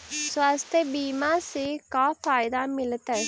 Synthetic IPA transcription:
sʋast̪ʰebiːmaːsikaːpaːjd̪aːmilɐt̪ɐ

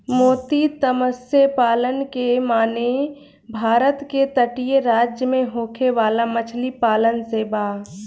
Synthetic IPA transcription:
moːt̪it̪əməsjəpaːlənkemaːne | bʱaːɾət̪ket̪əʈijeɾaːd͡ʒjəmẽɦoːkʰeʋaːlamət͡ʃʰlipaːlənseːbaː

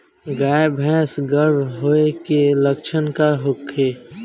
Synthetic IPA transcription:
ɡaːjebʱɛ̃ːsɡəɾbʱɦoekeləkt͡ʃʰənkaɦʊkʰːeː

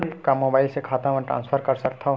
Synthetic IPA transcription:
ikamoːbaːɪlsekʰaːt̪ãmɛ̃ʈɾã̰ːnspʰəɾkɐɾsɐk̚t̪ʰaɦõ

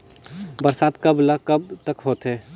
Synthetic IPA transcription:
bəɾsaːt̪kəblakəb̚t̪əkɦoːt̪ɦeː

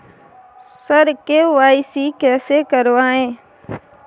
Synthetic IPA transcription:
səɾkeʋaːisiːkɛseːkəɾʋãːɦẽː

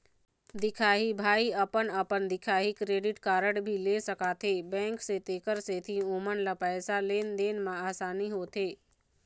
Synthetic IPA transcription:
d̪ɪkʰaːɦibʱaːiəpənəpənd̪ɪkʰaːɦikɾeːɖɪʈkaːɾəɽbʱilesəkat̪ʰebɛ̃ːŋkset̪eːkəɾseːt̪ʰiũːmənlapɛːsaleːnd̪eːnmãaːsaːniɦoːt̪ʰeː

